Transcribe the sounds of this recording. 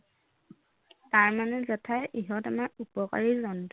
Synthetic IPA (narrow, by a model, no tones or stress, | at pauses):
taɹmanɛzatʰajʔiɦɔtamaɹupɔka̰ɹizɔnt